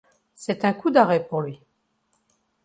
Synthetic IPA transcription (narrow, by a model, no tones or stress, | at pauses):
sɛt̪ɛ̃kud̪aʁɛpuʁlɥi